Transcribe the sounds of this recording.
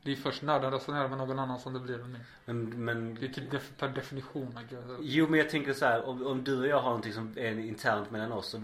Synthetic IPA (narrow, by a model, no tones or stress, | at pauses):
d̪ɛjfœʂʈnaːɖand̪asanæːɾamɛnoːɡɔnanːansɔmd̪ɛbliɾɛmɛ | mɛnmɛnd̪ɛt̪ʰyːd̪ɛpʰæɖɛfɪnɪɧuːnaajuːmɛnjɑɡ̚t̪ʰɛŋkəsɔhæːɾɔɔmd̪ɵɔjɑːɡhaɾnɔnt̪ɪŋsɔmɛɾɪnt̪ʰæːɾnt̪mɛlːanɔsːɔ